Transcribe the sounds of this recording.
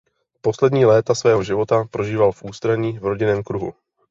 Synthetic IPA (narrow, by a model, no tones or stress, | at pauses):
po̞slɛd̪ɲiːlɛːt̪asvɛːɦo̞ʒɪvo̞t̪apɾo̞ʒiːvalfʔuːst̪ɾaɲiːvɾo̞ɟɪnɛːmkɾuɦṵ